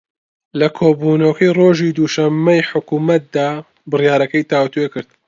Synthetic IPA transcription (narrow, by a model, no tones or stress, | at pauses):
lɐkʰoːbuːnɐwɐkʰɐjroːʒiːd̪uːʃɐmːɐjħʊkuːmɐt̪̚d̪aː | bɨrjaːɾɐkɐjt̪ʰaːwt̪uekɨɾd̪̚